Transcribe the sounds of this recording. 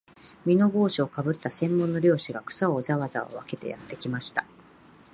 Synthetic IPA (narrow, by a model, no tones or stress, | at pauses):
mʲino̞ɡo̞ːɕiokabɯ̟t̪ːasẽ̞mːõ̞nːo̞ɾʲo̞ːɕiɡakɯ̟̥saoːzaβazao̰βake̞t̪e̞̰ja̰t̪ːe̞kʲimaɕi̥t̪ḁ